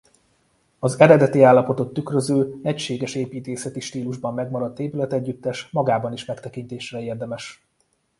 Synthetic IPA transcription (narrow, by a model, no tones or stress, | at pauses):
ɒzɛɾɛd̪ɛt̪iaːlːɒpo̞t̪o̞t̪ːykrøzøːɛcʃeːɡɛʃeːpiːt̪eːsɛt̪iʃt̪iːluʒbɒmːɛɡmɒɾɒt̪ːeːpylɛt̪ɛɟːyt̪ːɛʃmɒɡaːbɒniʃmɛkt̪ɛkint̪eːʃrɛeːrd̪ɛmɛʃ